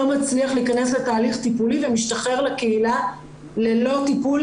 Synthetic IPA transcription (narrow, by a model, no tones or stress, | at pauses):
omat͡sliaχliːkane̞sle̞t̪aːliχt̪ipulivemiʃt̪aχe̞ʁlekeila | lelo̞t̪ipul